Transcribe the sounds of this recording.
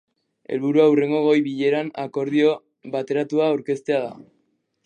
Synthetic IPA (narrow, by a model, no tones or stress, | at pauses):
elβuɾuawre̞ŋɡo̞ɣ̞o̞jβiʎe̞ɾanako̞ɾðio̞ | βat̪e̞ɾat̪uaːwɾke̞st̪e̞aða̰